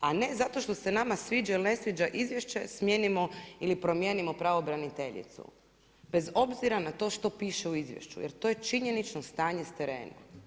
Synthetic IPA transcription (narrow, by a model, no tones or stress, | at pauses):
ane̞zat̪o̞ʃt̪o̞se̞namasʋiːd͡ʒailine̞sʋid͡ʒaʔizʋje̞ʃt͡ʃesmje̞ːnimo̞ilipɾo̞mjeːnimo̞pɾaʋobɾanit̪e̞ʎḭt̪sṵ | b̥e̞zo̞bziɾanat̪o̞ʃt̪o̞piːʃeuizʋjḛʃt͡ʃṵjeɾt̪o̞ːjet͡ʃiɲe̞nit͡ʃnost̪aːɲe̞st̪eɾḛːna